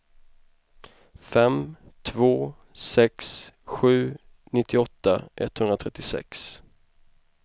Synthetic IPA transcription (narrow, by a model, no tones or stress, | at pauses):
fɛmt̪ʰvoː | sɛksɧʉ̟ː | nɪt̪ʰːɪɔt̪ːaʔɛt̪ːhɵnɾat̪ʰɛt̪ːɪsɛ̰ks